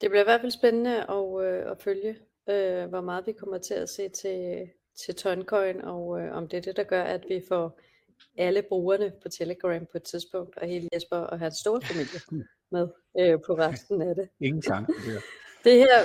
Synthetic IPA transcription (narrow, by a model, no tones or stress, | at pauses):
d̥e̝b̥liɐiʋæɐdfælsb̥enənəʔɒ̽øɒ̽føljə | øʋɒmɑ̈ːð̩ˠʋikʰɒ̽m̰ɐt͡sʰe̝læse̝̰ːt͡sʰe̝ | t͡sʰe̝lt͡sʰɒ̽ɪnkʰɒ̽ɪnɒ̽ʊøɒ̽md̥eæd̥e̝d̥ɑ̈ɡ̥ɶɐʔæd̥ʋifɒ | æləb̥ʁuːɐnəpʰɒ̽t͡sʰeləɡ̥ʁæmpʰɒ̽ed̥t͡sʰiðˠsb̥ɔ̽ŋ̰d̥ɒ̽ɦe̝ːləjesb̥ɐɒ̽ɦænsːd̥o̝ːɐfæmil̰jə | með̞ˠ | øpʰɒ̽ʁɑssd̥n̩æd̥e̝ŋ̩ɑŋ | d̥e̝heɐ̰